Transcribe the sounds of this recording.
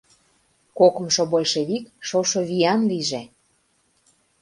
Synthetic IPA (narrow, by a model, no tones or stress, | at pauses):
kokɤ̆mʃŏbojʃeβikʃoʃoβijɑnliʒĕ